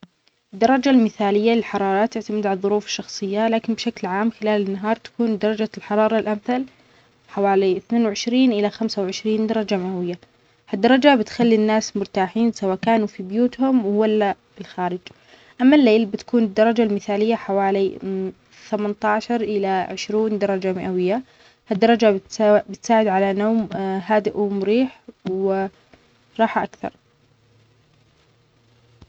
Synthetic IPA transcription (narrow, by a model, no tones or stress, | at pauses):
ɪd̪ːɑɾˤɑd͡ʒalmɪθaːlɪjːalɪlħɑɾˤɑːɾˤɑt̪ːɪʕt̪amɪd̪ʕalðˤːʊɾuːfɪ̥ʃːɑxsˤɨjːalaːkɪnbʃaklʕaːmxɪlaːlɪnːaɦɑːɾˤt̪ḁkuːnd̪ɑɾˤɑd͡ʒalħɑɾˤɑːɾˤɑlʔamθal | ħawaːliɪθneːnwʕɪʃɾiːnʔɪlaxamsawʕɪʃɾiːnd̪ɑɾˤɑd͡ʒamawɪjːa | had̪ːɑɾˤɑd͡ʒabɪt̪xalːinːaːsmʊɾt̪aːħiːnsawaːkaːnufibjuːt̪hʊmwwalːa | ɪlxaːɾɪd͡ʒ | ʔamːalːeːlbɪt̪ḁkuːnɪd̪ːɑɾˤɑd͡ʒalmɪθaːlɪjːaħawaːli | θamant̪ɑːʃɑɾˤʔɪlaʕɪʃɾuːnd̪ɑɾˤɑd͡ʒamɪʔawɪjːa | had̪ːɑɾˤɑd͡ʒaɪt̪bɪt̪saːʕɪd̪ʕalanoːmɦaːd̪ɪʔmʊɾiːħwɪ | ɾˤɑːħʔakθɑ̰ɾˤ